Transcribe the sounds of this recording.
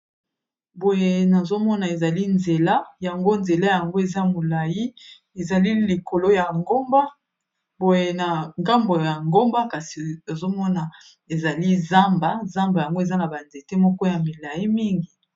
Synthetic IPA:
bo˨je˦na˨zo˦mɔ˦na˨e˨za˨li˦nze˨la˦ja˨ŋɡo˦nze˨la˦ja˨ŋɡo˦e˨za˦mo˨la˨ji˦ | e˨za˨li˦li˨ko˨lo˦ja˨ŋɡo˦mba˦ | bo˨je˦na˨ŋɡa˦mbo˨ja˨ŋɡo˦mba˦ka˨si˨o˨zo˦mɔ˦na˨ | e˨za˨li˦za˦mba˦za˦mba˨ja˨ŋɡo˦e˨za˦na˨ba˨nze˨te˦mɔ˦kɔ˦ja˨mi˨la˨ji˦mi˦ŋɡi˨

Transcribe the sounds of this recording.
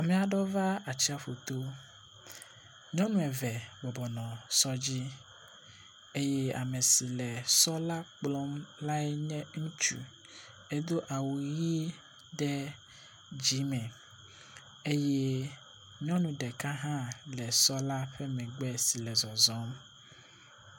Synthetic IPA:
a˨mɛ̃˨a˨ɖɔ˦va˦a˨t͡ɕi˦a˨ɸo˨t̪o˦ | ɲɔ̃˦nũ˦ɛ˨vɛ˨bɔ˨bɔ˨nɔ̃˨sɔ˦d͡ʑi˦ | e˦jɛ˦a̰˨mẽ˨si˨lɛ˨sɔ˦la˦k͡plɔ˦mla˦ɛ˦ɲɛ̃˦ŋũ˦t͡ʃṵ˨ | e˦d̪o˦ʔa˨wu˨ji˦ | ɖɛ˦ | d͡ʑi˨˦mɛ̃˨ | e˦je˦ | ɲɔ̃˦nũ˨ɖɛ˨ka˦ɦã˦lɛ˨sɔ˦la˦ɸɛ˦mɛ̃˨ɡ͡bɛ˦si˨lɛ˨zɔ˨zɔ̃˨˦m

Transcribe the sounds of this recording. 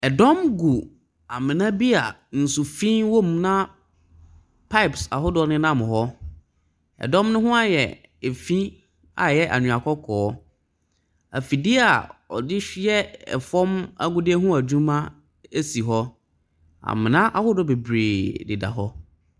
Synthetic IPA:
ɛ˨dɔ̃˦mɡu˨ | a˨mɪ̃˨nã˦bi˦a˨ | n̩˨su˨fĩ˦nwo˦˨mnã˦ | pʰa˦ɪ˨psa̰˨ɦʊ˦dɔ˦˨˦nɪ̃˦nã˦m̃˨hɔ˦ | ɛ̰˨dɔ̃˦mnʊ̃˦ɦʊ̃˦a˦jɛ̰˨ | e˨fĩ˦ | a̰˨jɛ˦ʔa̰˨ɲũ˨a˨kʰɔ˦kʰɔː˨˦ | æ̰˨fi˨dɪ˦a˨ɔ̰˨dɪ˦ɕᶣɪ˦ɛ˦ɛ̰˨fɔ̃˦ma̰˦ɡʊ˦dɪ˦ɛ˦ɦʊ̃˦a˨d͡ʑᶣũ˦mã˦ | e˦si˨ɦɔ˦ | a̰˨mɪ̃˨nã˦ʔa˨hʊ˦dɔ˦be˨bɾeː˨dɪ˨da̰˨ɦɔ˦

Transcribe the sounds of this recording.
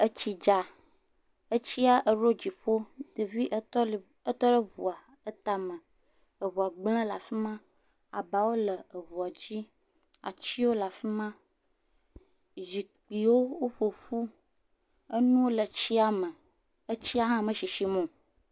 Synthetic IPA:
ə˦t͡ɕi˨d͡ʒa˨ | ə˦t͡ɕi˦a˦ʔə˨ɾo˦d͡ʑi˨ɸo˦d̪e˨vi˦ʔ | ə˦t̪ɔ˦ɖə˦βu˨a˨ | ə˦t̪a˨mə̃˨ | ə˨βu˨a˨ɡ͡blə̃˦la˨fi˦mã˦ | a̰˨ba˨wo˦lə˨ə˨βu˨a˨d͡ʑi˦ | a̰˨t͡ɕi˦wo˦la˨fi˦mã˦ | zi˨k͡pi˨wo˦wo˦ɸo˨ɸu˦ | ə˦nũ˦wo˦lə˨t͡ɕi˦a˦mə̃˨ | ə˦t͡ɕi˦a˦ɦã˦˨mə̃˨ʃi˨ʃi˨mɔ̃˨

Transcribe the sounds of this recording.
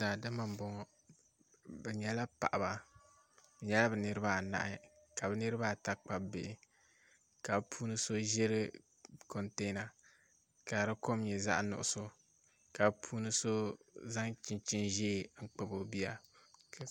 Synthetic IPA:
zaː˨dɨ˦ma˨m˨bɔ˦ŋɔ˦ | bɛ˨ɲɛ˦la˦pa̰˨ʔa˨ba˨ | bɛ˨ɲɛ˦la˦bɛ˨nɨ˦ɾɨ˦ba˦˨na̰˨ʔɪ˦ | ka˨bɛ˨nɨ˦ɾɨ˦ba˦˨ta˦k͡pa˨bɪ˨ɪ˨ | ka˨bpʰuː˦nɨ˦so˦ʒɛ˦ɾɨ˦ | ko˨nteː˦na˨ | ka˨ɾɨ˦ko˦mɲɛ˨za̰˦ʔnʊ̰˨ʔʊ̰˦sʊ˦ | ka˨bpʰuː˦nɨ˦so˦za˦ŋt͡ʃɪ˨nt͡ʃɪ˦nʒeː˦˨ŋ͡m̩˦k͡pɨ˦bo˨bi˦a˨

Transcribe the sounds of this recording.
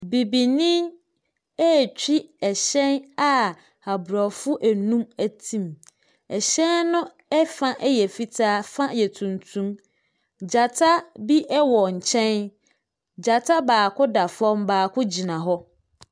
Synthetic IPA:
bi˨bi˨nĩ˦ | ɛ˦˨t͡ɕᶣi˦ɛ˨ɕɛ̃˦na˦ | a˨bɾa˨fʊ˦ʔæ˨nũ˦mæ˨tʰĩ˦m | ɛ˨ɕɛ̃˦nːʊ̃˦ | ɛ˦fã˦ʔɛ˦jɛ˨fi˦tʰaː˦fã˦jɛ˨tʰũ˨ntʰũ˦m | d͡ʑa˨tʰa˦bi˦ʔɛ˦wɔ˨ɲ̩˨t͡ɕʰɛ̃˦n | d͡ʑa˨tʰa˦baː˨kʰʊ˦da˨fɔ̃˦mbaː˨kʰʊ˦d͡ʑi˨nã˨ɦɔ˦

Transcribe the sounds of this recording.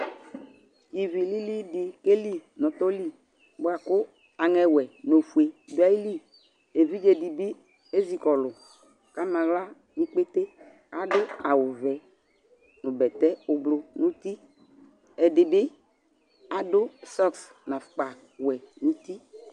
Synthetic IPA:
i˨vi˨li˦li˦dɪ˨ke˦li˦nɔ̃˨t̪ɔ˦li˦ | bʊ˦a˨kʊ˦ | a˨ŋɛ˨wɛ˨no˨fu˨e˨dʊ˨˦a˦i˦li˦ | e˨vi˦d͡ʒe˨di˨bɪ˦ | e˦zi˨kɔ˨lʊ˨ | ka˦mã˨ɣla˦ | ni˦k͡pe˦t̪e˦ | a˦dʊ˦a˨wʊ˨vɛ˨ | nʊ˨bɛ˨t̪ɛ˦ʊ˨blʊ˨nʊ̃˦t̪i˦ | ɛ˨dɪ˨bɪ˦ | a˨dʊ˦sɔ˦ks | na˨fk͡pa˨ | wɛ˨nʊ̃˦t̪i˦

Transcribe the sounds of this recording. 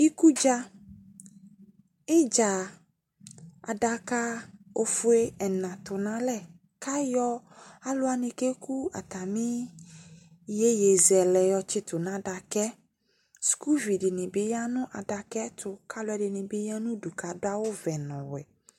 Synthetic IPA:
i˦ku˦d͡ʒa˦ | ɪ˦d͡ʒa˨ | a̰˨da˨ka˦o˦fʊ˦e˦ɛ˨nã˨t̪ʊ˨nã˦lɛ˨ | ka˦jɔ˦a˦lʊ˦a˨nɪ̃˨ke˦kʰu˦a̰˨t̪a˨mɪ̃˦ | je˦je˨zɛ˨lɛ˨jɔ˨t͡ʃɪ˦t̪ʊ˨nã˦da˨kɛ˦ | sku˦vi˨dɪ˨nɪ̃˨bɪ˦ja˦nʊ̃˦ʔa˨da˨kɛ˦tʰʊ˨ka˦lʊ˦ɛ˦dɪ˨nɪ̃˨bɪ˦ja˦nʊ̃˦du˨ka˨dʊ˦a˦wʊ˦vɛ˨nɔ̃˨wɛ̰˨

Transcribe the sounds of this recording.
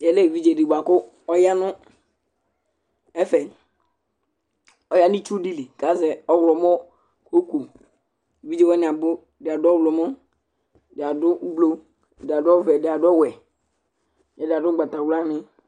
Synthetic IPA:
jɛ˨le˦˨vi˦d͡ʒe˨di˨ɡ͡ba˨kʊ˦ | ɔ˦ja˦nʊ˦ | ɛ˦fɛ˨ | ɔ˨˦ja˦ni˦t͡ʃu˦di˦li˨ka˨˦zɛ˨ɔ˦wlɔ˨m˦ɔ˦ | ko˦ko˨ | vi˦d͡ʒe˦˨wɛ˦n˨a˨bʊ˦˨dɪ˨a˨dʊ˦ɔ˦wlɔ˨mɔ˦˨ | dɪ˨a˨dʊ˦blo˦˨ | da˨dʊ˦ɔ˦vɛ˨dɪ˨a˨dɔ˦˨wɛ˨ | jɛ˦dɪ˨a˨dʊ˦ɡ͡ba˨ta˨wla˦nɪ˦

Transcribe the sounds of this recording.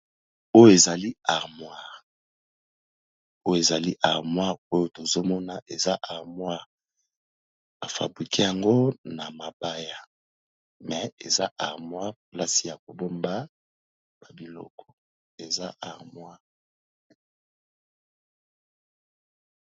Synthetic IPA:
o˦jo˦e˨za˨li˦a˨ʁmwa˦ | o˦jo˨e˨za˨li˦ʔa˨ʁmwa˦o˦jo˦to˨zo˦mɔ˦na˨ʔe˨za˦ʔa˨ʁmwa˦ | a˨fa̰˨bʁi˨ki˦ja˨ŋɡo˦na˨ma˨ba˦ja˨ | mɛ˨ḛ˨za˦ʔa˨ʁmwa˦pla˦si˨ja˨ko˨bo˦mba˦ | ba˨bi˨lɔ̰˦kɔ̥˨ | e˨za˦ʔa˨ʁmwa˦

